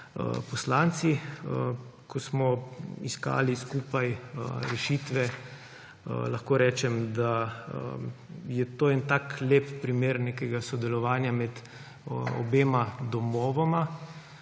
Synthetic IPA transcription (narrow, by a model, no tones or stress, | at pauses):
ə̰pɔslant̪siəkʰɔsmɔiska̰ːliskuːpajəɾɛʃiːt̪ʋɛ | əlaxkoːɾɛːt͡ʃɛmd̪aə̰ | jɛt̪oːɛnt̪akleːppɾimeːɾnekɛɡasɔd̪ɛlɔʋaːnjamɛt̪ | ɔ̰beːmad̪ɔmɔːʋɔma